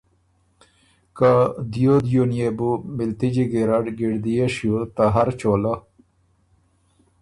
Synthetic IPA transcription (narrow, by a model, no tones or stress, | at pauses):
kad̪ijod̪junijebumilt̪id͡ʑiɡeɾɐɖɡiɽd̪ijeɕjut̪aɦɐɾt͡ɕoːla